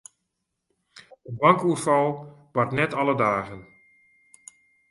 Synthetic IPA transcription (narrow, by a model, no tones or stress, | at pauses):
əbaŋkuərfɔlˠb̥artnɛtɑlˠədaːɣən